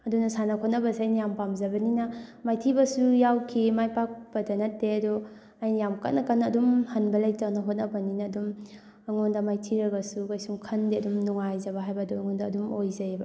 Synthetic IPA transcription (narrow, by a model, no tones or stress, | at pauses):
ɐdunɐsanɐkʰot̚nɐbɐsiajnajampamzɐbɐninɐmajtʰibɐsujawkʰimajpak̚bɐdɐnɐtːeɐdɔ | ajnjamka̰t̚nakanːaːdumhɐnbɐlajtawnɐɦot̚nɐbɐninɐːdum | ɐŋondamajtʰiɾɐɡɐsukajsuŋkʰɐndiɐdumnuŋajzɐbaɦajbɐdɔːŋɔndaːdumojzajb